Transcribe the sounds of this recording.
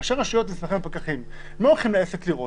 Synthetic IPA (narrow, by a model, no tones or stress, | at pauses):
ʃeʁaʃujo̞t̪mismeχempakaχim | maolχimleesekliʁo